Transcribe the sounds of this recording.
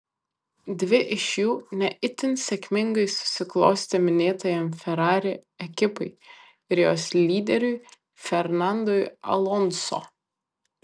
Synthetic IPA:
d̪ʲʋʲɪʔɪʃjuːnʲɛʔɪt̪ʲɪnsʲɛkʲmʲɪŋɡɐɪsʊ̥sʲɪklˠɔʊsʲt̪ʲɛmʲɪnʲeːt̪ɐjɛmfʲɛɾɑːɾʲeɛkʲɪpɐɪ | ɪɾjo̰ːslʲiːd̪ʲɛɾʲʊɪ | fʲɛɾnɑnd̪ɔjɐ̰lˠɔnso̰

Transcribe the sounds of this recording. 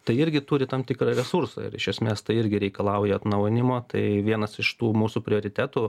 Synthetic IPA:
t̪ɐɪɪɾʲɡʲɪt̪uːɾʲɪt̪ɐmt̪ʲɪkrɐɾʲɛsuɾso̰ːɪ̰ɾɪʃʲɛsʲmʲeːst̪ɐɪɪɾʲɡʲɪɾʲɛɪkɐlˠɐʊjɛɐt̪nɐʊjɪnʲɪmoːt̪ɐɪʋʲiɛnɐsɪʃt̪uːmuːsupʲɾʲɪoːɾʲɪt̪ʲæːt̪uː

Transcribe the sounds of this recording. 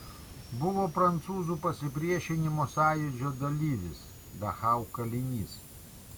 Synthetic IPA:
bʊʋoːpɾɐnt̪suːzuːpɐsʲɪpʲɾʲiɛʃʲɪnʲɪmoːsɑːjʊd͡ʒʲoːd̪ɐlʲiːʋʲɪs | d̪ɐxɑʊkɐlʲɪnʲiːs

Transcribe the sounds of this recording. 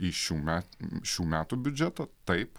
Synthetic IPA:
iːʃʲuːmʲæʃʲuːmʲæːt̪ubʲʊd͡ʒʲɛt̪ɐt̪ɐɪp

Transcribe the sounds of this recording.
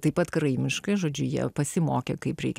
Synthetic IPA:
t̪ɐɪpɐt̪kɾɐɪmʲɪʃkɐɪʒoːd͡ʒʲʊjiɛ̰pɐsʲɪmoːkʲekɐɪpɾʲɛɪkʲ

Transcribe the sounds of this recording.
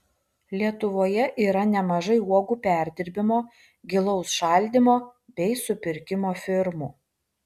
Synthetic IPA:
lʲiɛt̪ʊʋoːjɛʔiːɾɐnʲɛmɐʒɐɪuɔɡuːpʲæˑɾʲd̪ʲɪɾʲbʲɪmoː | ɡʲɪlˠɔʊsʃɑˑlʲd̪ʲɪmoːbʲɛɪsʊpʲɪɾʲkʲɪmoːfʲɪɾmuː

